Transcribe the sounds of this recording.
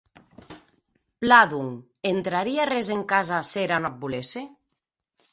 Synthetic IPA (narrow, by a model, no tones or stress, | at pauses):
plaðuŋ | ent̪ɾaɾiarezeŋkazaseɾanap̚bulese